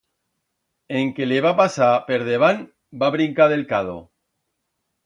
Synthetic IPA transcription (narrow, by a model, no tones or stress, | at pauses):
eŋkeleβapasape̞ɾðeβ̞an | baβɾiŋkaðe̞lkaðo̰